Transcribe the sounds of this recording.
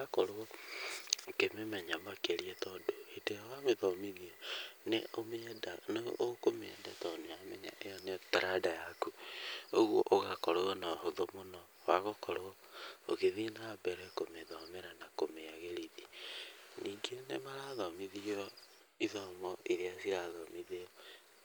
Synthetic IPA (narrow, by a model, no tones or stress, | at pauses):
akɔɾoɣɔ | kememɛɲamakeɾiɛtɔdoeteawameðɔmiðiɔnḛʔomedanḛʔokomɛndɛtɔniamɛɲa̰ʔejɔnetaɾadajakuoɣwoʔoɣakɔɾoɣɔnahoðomonɔ | waɣokɔɾoɔ | o̰ɣeðinabɛɾɛkomeðɔmeɾanakomeaɣeɾiði | niːŋɡenḛmaɾaðɔmiðiɔ | iðɔmɔʔiɾeasiɾaðɔmiðeɔ